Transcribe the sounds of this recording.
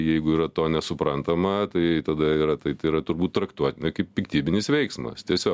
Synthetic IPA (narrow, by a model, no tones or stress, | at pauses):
jɛɪɡʊiːɾɐt̪oːnʲɛsʊpɾɐnt̪ɐmɐt̪ɐɪt̪ɐd̪ɐiːɾɐt̪ɐɪt̪ɐɪiɾɐt̪ʊɾbuːt̪t̪ɾɐkt̪uɔt̪ʲɪnʲɐkɐɪppʲɪkt̪ʲiːbʲɪnʲɪsʋʲɛɪksmɐ̰st̪ʲiɛsʲoː